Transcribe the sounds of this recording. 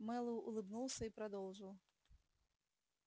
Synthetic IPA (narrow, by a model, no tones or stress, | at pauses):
mɛlˠɐwṵlˠɨbnuw̪ˠsʲɐipɾad̪ɔw̪ʐɨw